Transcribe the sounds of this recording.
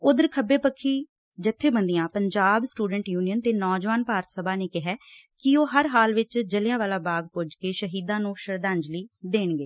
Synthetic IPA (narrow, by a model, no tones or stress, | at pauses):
ʊd̪əɾkʰəbeːpəkʰːiː | d͡ʒɪt̪ʰːeːbənd̪ijãːpəɲd͡ʒaːbsʈuːɖəɳʈjuːnijənt̪eːnɔːd͡ʒʋaːnpaːɾət̪ʰsəbʱaːneːkɪɦɛː | kɪoːɦəɾɦaːlʋɪt͡ʃd͡ʒəlejãːʋaːlaːbaːɡ̚pʊd͡ʒkeːʃəɦiːd̪ãːnũːʃəɾd̪ãːɲd͡ʒliːd̪eːɳɡeː